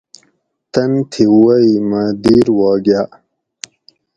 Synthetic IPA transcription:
t̪ɐnt̪ʰiwaimad̪iːɾwɑːɡjaː

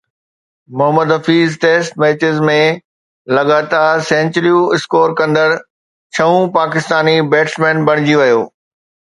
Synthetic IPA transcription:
mʊɦəməd̪ɦɐfiːzʈeːsʈmeːt͡ɕɪzmẽ | lɐɡaːt̪aːsẽːɲt͡ɕɾijuɪskoːɾkɐ̃nd̪əɽ | t͡ɕʰɐũpaːkɪst̪aːnibeːʈsmẽːnbɐɽ̃ɪd͡ʑiʋɐjoː

